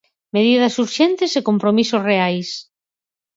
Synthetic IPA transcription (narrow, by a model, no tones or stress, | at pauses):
með̞ið̞ɐsuɾʃent̪ɪsekompɾomisosreajs